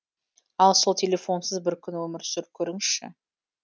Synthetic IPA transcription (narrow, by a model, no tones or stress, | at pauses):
ɑlˠso̞lˠt̪ʲʰe̞lʲe̞fo̞nsəzbɪɾkʲʰʏnwɵmɪɾsʏɾkʲʰɵɾɪŋʃɪ̰